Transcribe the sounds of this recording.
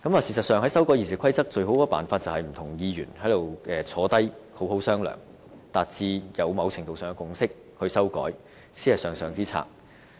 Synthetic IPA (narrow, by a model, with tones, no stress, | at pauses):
kɐ˨˥maː˨˩siː˨˩sɐ˨t̚sœː˨ŋhɦɐ˨˥jsɐ˥wkɔː˨˥jiː˨˩si˨kʷʰɐ˥jt͡sɐ˥k̚t͡ʃɵ˧ɥɦo˨˥wkɔː˧˩paː˨nfaː˧t̚t͡sɐ˨whɐ˨jm̩˨˩t̪ʰʊ˨˩ŋjiː˧jy̰ː˨˩nhɐ˨˥jt̪o˨wkɛː˧t͡sʰɔː˨˥t̪ɐ˥jho˨˥wɦo˨˥wsœː˥ŋlœ̰ː˨˩ŋ | t̪aː˨t̚t͡siː˧jɐ˨˧wmɐ˨˧wt͡sʰɪ˨˩ŋt̪o˨wsœː˨˩ŋɛ˧kʊ˨˧ŋsɪ˥k̚ | hɵ˧ɥsɐ˥wkɔ̰ː˨˥j | siː˥hɐ˨˩sœː˨ŋsœː˨ŋt͡siː˥t͡sʰa̰ː˧˩k̚